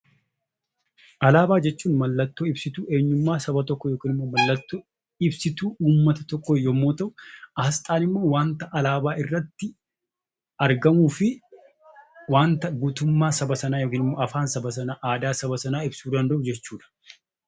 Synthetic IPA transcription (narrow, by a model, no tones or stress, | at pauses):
ʔɐlaːbaːd͡ʒɛt͡ʃːuːnmɐlːɐt̪ːoːɪbsɪt̪uːe̞ːɲːʊmːaːsɐbɐt̪ɔkːɔjoːkiːnɪmːoːmɐlːɐt̪ːoː | ɪbsɪt̪uːuːmːɐt̪ɐt̪ɔkːojoːmːoːt̪ɐʔʊʔɐhɐst̪ʼaːnɪmːo̞ːwaːnt̪ɐʔɐlaːbaːɪrːɐt̪ːɪ | ɐɾɡɐmuːfɪ | waːnt̪ɐɡuːt̪ʊmːaːsɐbɐsɐnaːjoːkiːnɪmːoːɐfaːnsɐbɐsɐnaʔaːd̪aːsɐbɐsɐnaːɪbsuːd̪ɐnd̪ɐʔʊd͡ʒɛt͡ʃːuːᶑɐ̥